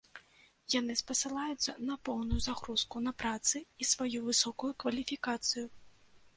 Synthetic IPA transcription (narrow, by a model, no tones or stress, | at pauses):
janɨspɐsɨlˠajut̪sːɐnɐpɔwnujuzaɣɾuskunɐpɾat̪sɨisvajuvɨsɔkujukvɐlʲifʲikat̪sɨju